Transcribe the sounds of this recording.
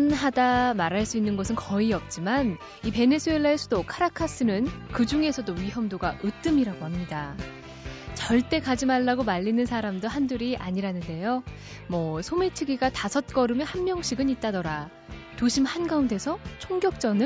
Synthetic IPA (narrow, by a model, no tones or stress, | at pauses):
nɦadamaɾaɭs͈uinːɯnɡʌs̬ʰɯnkʌiʌp̚t͡ɕ͈iman | ipe̞ne̞sʰue̞ɭːaesʰudokʰaɾakʰas͈ʰɯnɯnkɯd͡ʑuŋe̞sʰʌdoɥiɦʌmdoɡaʔɯt͈ɯmiɾaɡohamɲida | t͡ɕʌɭt͈e̞kad͡ʑimaɭːaɡomaʎːinɯnsʰaɾamdoɦanduɾiʔa̰ɲiɾanɯnde̞jo | mʌsʰomet͡ɕʰɯɡiɡatasʰʌt̚k͈ʌɾɯmjʌhanmjʌŋɕʰiɡɯnit̚t͈adʌɾa | toɕʰimhanɡaunde̞sʰʌt͡ɕʰoŋɡjʌk̚t͡ɕ͈ʌnɯ